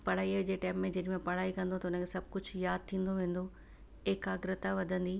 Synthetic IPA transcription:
pɐɽ̤aːiəd͡ʑeːʈɛːmːẽd͡ʑɐɗɪmẽpɐɽ̤aːikɐ̃nd̪ot̪ɐʊnə̃kʰesɐb̚ʱkʊd͡ʑʱjaːd̪̚t̪ʰĩːn̆d̪oʋẽːn̆d̪o | ekaɡɾɪt̪aʋɐd̪ʱə̃nd̪iː

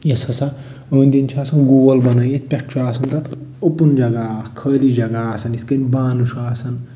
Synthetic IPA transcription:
jesɐsa | ənd̪int͡ʃʰaːsɐnɡuːɡɐlbɐnɐjet̪̚pʲek̚t͡ʃʰuɾaːsʰɐnt̪ɐt̪opund͡ʒɐɡakʰəːlid͡ʒɐɡaːsʰɐnit̪kənʲbaːnuʃuaːsɐn

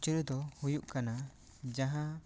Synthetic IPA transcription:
t͡ʃəɾd̪ɔhujuʔkana | d͡ʒaɦã

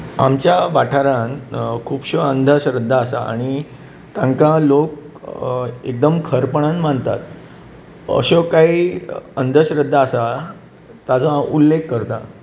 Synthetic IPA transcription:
amt͡ɕjaʋaʈʰaɾãnkʰuːpɕəənd̪ʱəɕɾəd̪ʱːaːsa̰a̰ɽ̃i | t̪ãŋkalok̚ | ek̚d̪əmkʰəɾpəɽ̃ãnməɳt̪a̰t̪ | ə̰ɕɔkaiənd̪ʱəɕɾəd̪ʱːaːsa | t̪ad͡zãulːekːəɾt̪a̰

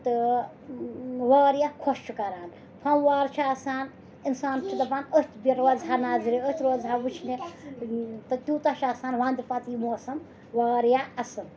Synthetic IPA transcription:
t̪ɨ | ʋaːɾjakʰost͡ʃʰukɐɾaːn | pʰɐmwaːɾt͡ʃʰaɐsaːn | insaːnt͡ʃʰid̪ɐbaːnəst̪ʰʲbiɾozɦanaːziɾiəst̪ʰʲɾoːzɦawut͡ʃʰne | t̪ɨt̪ʲuːt̪at͡ʃʰɐsaːnʋãːnd̪ipɐt̪imoːsɐm | waːɾjaɐsɐn

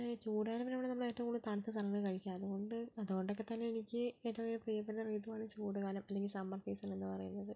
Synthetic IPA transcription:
t͡ɕuːɽuɣaːlɐmineʋɐɳenɐmːuɭeːtːɐkuɭːut̪aɳɐt̪ːɐsʰɐlɐŋːɐɭkɐɻikʲːaɐðuɣo̞ɳɖɨɐðuɣo̞ɳɖo̞kːe̞t̪ɐnːe̞ːnikʲːɨetːɐʋeɾuprijɐpːeʈːɐriːðuʋaːɳɨmt͡ɕuːɽuɣaːlɐmɐlːe̞ŋɡʲilsɐmːɐrkeːsɐne̞nːɨpɐrɐjunːɐðɨ

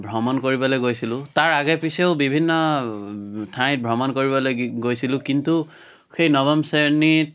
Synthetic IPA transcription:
bʱɹɔmɔnkoɹibɔlojɡojsilʊ̃taɹaɡɛpisɛʊbibʱinːɔ | tʰãj̃t̚bʱɹɔmɔnkoɹibɔlojɡojsilʊ̃kintu | xejnɔβɔmseɹnit̚

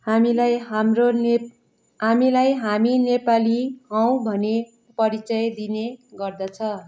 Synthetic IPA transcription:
hamilajɦamron | ɦamilajɦaminepaliɦʌw̃bʱʌne | pʌɾit͡sʌjd̪ineɡʌrd̪ʌt͡sʰʌ

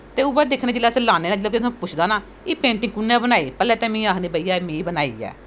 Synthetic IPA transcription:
t̪eːʊbaːd̪eːkʰnẽːd͡ʒɪlːaːsĩːlaːneːnãːd͡ʒloːkɪt̪ʰːpʊt͡ʃʰd̪aːnaː | iːpẽːɳʈɪ̃ŋkʊnãːbənaːiːpɛːlɛːt̪ɛ̃ːmĩːaːkʰniːbəiːaːmẽːbənaːḭːɛ̰ː

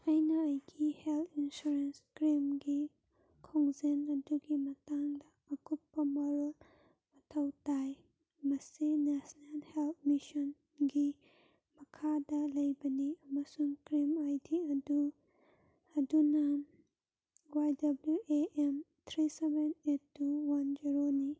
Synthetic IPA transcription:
ɐjnɐɐjɡiheltʰinsuɾenskɾimɡi | kʰoŋzenɐduɡimɐtaŋdɐːkupːɐmɔɾɐl | mɐtʰɐwtaj | mɐsinesnelhelt̚ʰmisɔn | ɡi | mɐkʰadɐlɐjbɐniɐmɐsuŋkɾimajdiɐdu | ɐdunɐ | wajdɐbljuʔeʔemt̪ʰɾisebenetːuwɐnd͡ʒiɾoni

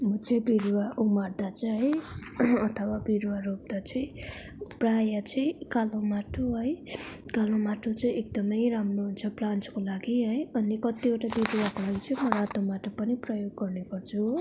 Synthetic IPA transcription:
mʌt͡sʌĩbiɾuwaʔumard̪at͡saɦʌijʌt̪ʰʌwabiɾuwaɾop̚d̪at͡sʰʌĩ | prajat͡sʰʌ̃kalõwmaʈʰoɦʌjkalõmaʈʰot͡sʌĩʔekd̪ʌmʌjɾamroɦunt͡sʰʌplant͡skolaɡiɦʌjʌnikʌt̪ieʈabiɾuwakolaɡit͡sʌĩmʌɾat̪omaʈʰopʌniprʌjoɡːʌrnepʌrt͡sʰu

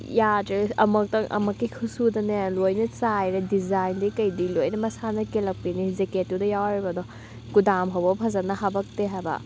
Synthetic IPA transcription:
jadɾiɐ̰mɐk̚tɐŋʔɐ̰mɐkːikʰusudɐnejalojnɐt͡sajɾɐdizajndikɐjdilojnɐmɐsanɐkelɐk̚pinizeketːudɐjawɾibɐdɔ | kudamɦɐwbɐpʰɐzɐnɐɦɐbɐk̚teɦabɐ̰

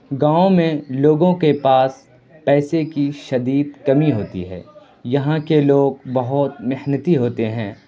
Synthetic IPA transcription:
ɡãːõmẽloːɡõkepaːs | pɛːsekiʃɐd̪iːd̪̚kɐmiɦoːt̪ḭɦɛ̰ː | jɐɦãkeloːɡbɐɦʊt̪mɪhnət̪iɦoːt̪eɦɛ̃ː

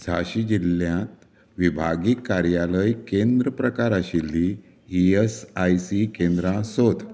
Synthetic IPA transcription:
d͡zʱa̰ɕid͡ʑilːjãt̪ | ʋibʱaɡikːaɾjaləjkend̪ɾəpɾəkaɾaɕilːiː | esajsikẽnd̪ɾãsod̪ʱ

